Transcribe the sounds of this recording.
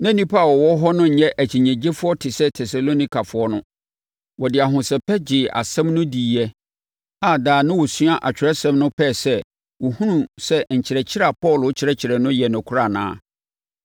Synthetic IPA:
nã˦nĩ˦pʰa˦˨wɔ˨wɔ˦ɦɔ˦nʊ̃˦ɲ̩˨ɲɛ̃˦ʔæ˨t͡ɕʰi˨ɲɛ̃˨d͡ʑe˦fʊ˦ɔ˦tʰɪ˨sɛ˦tʰɛ˨sa˨lo˦nĩ˦kʰa˨fʊ˨˦ɔ˦nʊ̃˦ | wɔ˨dɪ˨a˨ɦʊ̃˨sɛ˨pʰɛ˦d͡ʑɪ˨a̰˨sɛ̃˦mnʊ̃˦diː˨ɛ˦ | a˨daː˨nʊ̃˦wɔ˨sɥa˦ʔa˨t͡ɕᶣɪ˨ɾɛ˦sɛ̃˦mnʊ̃˦pʰɛ˦˨sɛ˦ | wɔ˨hũ˦ɾũ˨sɛ˦ɲ̩˨t͡ɕʰɪ˨ɾɛ˨t͡ɕʰɪ˦ɾa˨pʰɔ˦˨lʊ˨˦t͡ɕʰɪ˨ɾɛ˦t͡ɕʰɪ˨ɾɛ˨nʊ̃˦jɛ˨nʊ̃˨kʰʊ˦ɾa˨nã̰ː˦

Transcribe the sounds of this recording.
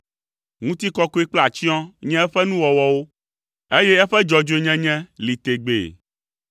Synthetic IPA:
ŋũ˦t̪i˦kɔ˦ko˦e˦k͡pla˨t͡ɕi˦ɔ̃˦ɲɛ̃˦ɛ˦ɸɛ˦nũ˦wɔ˨wɔ˦wo˦ | e˦jɛ˦ɛ˦ɸɛ˦d͡ʒɔ˨d͡ʒo˦e˦˨ɲɛ̃˦ɲɛ̃˦li˨t̪e˨ɡ͡bḛ˨

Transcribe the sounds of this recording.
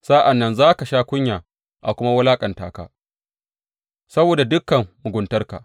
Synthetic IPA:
saː˦ʔa˨nːɐ˦nzaː˦ka˨ʃaː˦kʷʊ˦ɲjaː˨ | ʔa̰˨kʷʊ˦ma˦wɐ˦laː˦kʼɐ˨nta̰ː˨ka̰ː˦ | sɐ˦boː˨da˨dʊ˦kːɐ˨mːʊ˨ɡʷʊ˨ntɐ˦rka̰˨

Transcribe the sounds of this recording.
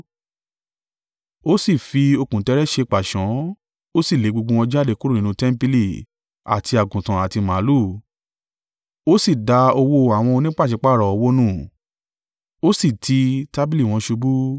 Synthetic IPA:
o˦si˦˨fi˧o˧kũ˨tɛ˧˦ɾɛ˦ʃe˧k͡pa˨ʃɔ̃˨˦ | o˦si˦˨le˨˦ɡ͡bo˧ɡ͡bũ˧ɔ̃˧d͡ʒa˦˨de˧˦ku˦ɾũ˦˨ĩ˨˧nũ˧tɛ˦m̩˦pi˧˦li˦˨ | a̰˨ti˧a˨ɡũ˨tã˨a˨ti˧mã˨˦lu˦˨ | o˦si˦˨da˧o˧wo˧a˨w̃ɔ̃˧o˧nĩ˦k͡pa˦˨ʃe˨˧˦k͡pa˦˨ɾɔ˨o˧wo˦nũ˦˨ | o˦si˦˨tʰi˧ta˦bi˦li˦˨w̃ɔ̃˧ʃu˧bu˦

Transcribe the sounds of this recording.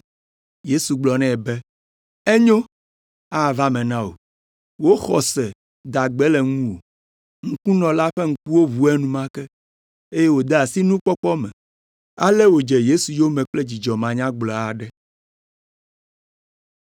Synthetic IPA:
je˦su˨ɡ͡blɔ˨nɛ̃˦˨bɛ˦ | ɛ˦ɲõ˦ | a˦˨va˦mɛ̃˨nã˦wo̰˨ | wo˦xɔ˨sɛ˨ | d̪a˨ɡ͡bɛ˦lɛ˨ŋũ˦wo̰˨ | ŋ̩˦kũ˦nɔ̃˨la˦ɸɛ˦ŋ̩˦ku˦wo˦vu˨ɛ˦nũ˦mã˦kɛ˦ | e˦jɛ˦wo˨d̪ɛ˦a˨si˦nũ˦k͡pɔ˦k͡pɔ˦mɛ̃˨ | a̰˦lɛ˦wo˨d͡ʒɛ˨je˦su˨jo˦mɛ̃˨k͡plɛ˦d͡ʑi˨d͡ʒɔ˨mã˨ɲã˦ɡ͡blɔ˨a˨ɖɛ˦

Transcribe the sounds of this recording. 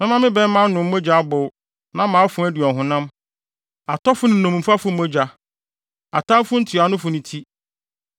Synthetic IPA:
mɪ̃˦mã˦mɪ̃˦bɛ˦m˦mã˦n˦nʊ̃˨m̩˦mo˦d͡ʑa˨a˦bʊ˨w | nã˦mã˨˦a˦fʊ̃˨˦æ˦di˨ɔ˨ɦʊ̃˨nã˦m | a˨tʰɔ˦fʊ˦nɪ̃˨nũ˨m̩˨fa˦fʊ˦m̩˦o˦d͡ʑa˨ | a˨tʰã˦m˦fʊ˦n̩˦tʰi˨a˨nʊ̃˦fʊ˨nʊ̃˨tʰi˦

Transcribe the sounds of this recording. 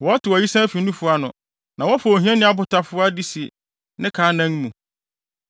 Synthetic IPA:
wɔ˨˦tʰɪ˨wɔ˨ji˦sã˦fi˨nũ˦fʊ˦a˦nʊ̃˨ | nã˨wɔ˦fa˨o˨ɦĩ˦ɛ̃˦nɪ̃˦a˦˨bʊ˨ta˨fʊ˦a˦di˦si˨ | nɪ̃˦kʰaː˨˦nã˦ŋ˦mũ˨

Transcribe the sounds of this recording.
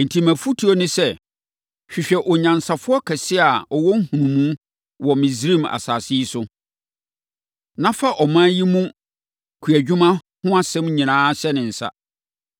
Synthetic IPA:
n̩˨tʰi˨mæ̃˨fu˦tʰi˨˦o˦nʊ̃˦sɛ˦˨ | ɕᶣi˨ɕᶣɛ˨ʔɔ˨ɲã˨n˨sa˨fʊ˦ɔ˦kʰɛ˨sɪ˦a˨ɔ˨wɔ˦ŋ̩˦hũ˨nũ˨mũ˦ | wɔ˨mɪ̃˨zɾĩ˦˨ma̰˨saː˨si˦i˦sʊ˦ | nã˦fa˦ʔɔ˨mã˦ji˦mũ˦ | kʰu˨æ˨d͡ʑᶣu˦mã˦ | hʊ̃˦a˦sɛ̃˦mɲĩ˨nãː˦ɕɛ˦nɪ̃˨n̩˨sa̰˦

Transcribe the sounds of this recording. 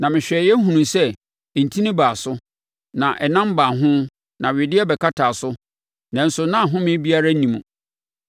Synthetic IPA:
nã˨mɪ̃˨ɕᶣɛ˨jɛ˦ɦũ˨nũ˨msɛ˦˨ | n̩˨tʰĩ˦nĩ˦baː˨sʊ˦ | nã˨ʔɛ˨nã˦m˦baː˨ɦʊ̃˦ | nã˨ɥɪ˨dɪ˦ɛ˦bɛ˨kʰa˦tʰaː˨sʊ˦ | nã˨n̩˦sʊ˨nã˦˨ɦʊ̃˦mɪ̃˦bi˦a˦ɾa˦nĩ˨mũ˨

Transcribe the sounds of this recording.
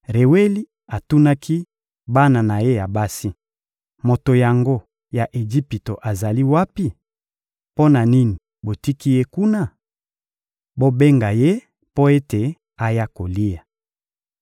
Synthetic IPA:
ʁe˨we˦li˦ | a˨tu˦na˦kʰi˦ | ba˦na˨na˨je˦ja˨ba˦si˦ | mo˨to˨ja˨ŋɡo˦ | ja˨ʔe˨d͡ʒi˦pi˨to˨ʔa˨za˨li˦wa˦pi˦ | po˦na˨ni˦ni˨ | bo˨ti˦ki˦je˦ku˦na˦˨ | bo˦be˦ŋɡa˨je˦ | po˦e˦te˨ | a˨ja˦ko˨li˦ja˨

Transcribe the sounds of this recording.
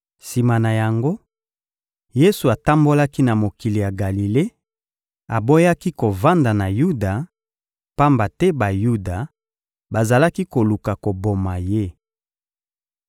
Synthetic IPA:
si˨ma˨na˨ja˨ŋɡo˦ | je˦su˨a˨ta˦mbo˦la˦ki˦na˨mo˨ki˨li˨ja˨ɡa˨li˨le˦ | a˨bo˦ja˦ki˦ko˨va˦nda˨na˨ju˦da˨ | pa˦mba˨tɛ˦ba˨ju˦da˨ | ba˨za˨la˦ki˦ko˨lu˨ka˨ko˨bo˨ma˨je˦

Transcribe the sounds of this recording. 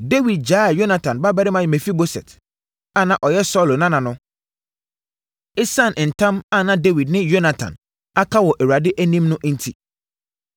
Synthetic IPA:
de˦wi˨d̚d͡ʑaː˦a˨jo˦na˨tʰã˨nba˦bɛ˦ɾɪ˦mã˨jmɛ˨fi˦bo˦sɛ̰˨t | a˦˨nã˨ʔɔ˨jɛ˦sɔ˦˨lo˨nã˦nã˨nʊ̃˦ | ɪ˦sã˦˨n˨n̩˨tʰã˦ma˦˨nã˨de˦wi˨dnɪ̃˦jo˦na˨tʰã̰˨n | a˦kʰa˦wɔ˨ʔæ˨wu˨a˨dɪ˦ʔæ˦nĩ˦mnʊ̃˦ʔn̩˦tʰi˨

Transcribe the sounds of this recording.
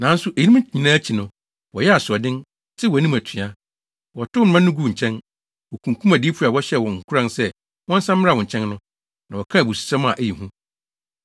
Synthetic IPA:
nã˨˦n̩˦sʊ˦ʔe˨i˨nĩ˦m˦˨ɲĩ˨nãː˦t͡ɕʰi˨nʊ̃˨ | wɔ˨jɛ˦a˨sʊ˨ɔ˨dɪ̃˦n | tʰɪ˦wɔ˨nĩ˦mæ˨tʰĩ˨a˦ | wɔ˨tʰʊ˦m̩˨mã˦nʊ̃˦ɡu˨˦˨ɲ̩˨t͡ɕʰɛ̃˦n | wɔ˨kʰũ˨ŋ˨kʰũ˦mæ˨diː˦pʰu˦˨a˨wɔ˦ɕɛ˦˨wɔ̃˨ŋ̩˨kʰʊ˦ɾã˦nsɛ˦ | wɔ̃˦n̩˦sã˦mː˦ɪ˦ɾa˦˨wɔ̃˨ɲ̩˨t͡ɕʰɛ̃˦nnʊ̃˦ | nã˨wɔ˨kʰã˦˨bu˨su̥˨sã˦mã˨ʔæ˦ji˨ɦũ˦

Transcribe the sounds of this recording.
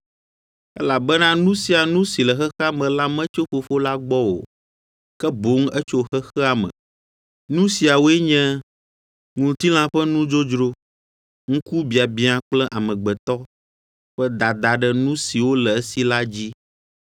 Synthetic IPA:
ɛ̰˦la˨bɛ˦nã˦nũ˦si˨a˨nũ˦si˨lɛ˨xɛ˦xə˦a˦mɛ̃˨la˦mɛ̃˦t͡ʃo˦ɸo˨fo˦la˦ɡ͡bɔ˦wo̰˨ | kɛ˦bo˨˦ŋ˦ɛ˦t͡ʃo˦xɛ˦xɛ˦a˨mɛ̰̃˨ | nũ˦si˨a˨wo˦ɛ˦ɲɛ̃˦ | ŋũ˨t̪i˦l̃ã˦ɸɛ˦nũ˦d͡ʒo˦d͡ʒɾo˦ | ŋ̩̃˦ku˦bi˨a˨bi˦ã˨k͡plɛ˦ʔa˨mɛ̃˨ɡ͡bɛ˨t̪ɔ˦ | ɸɛ˦d̪a˨d̪a˨ɖɛ˦nũ˦si˨wo˦lɛ˨ɛ˦si˦la˦d͡ʑi˦

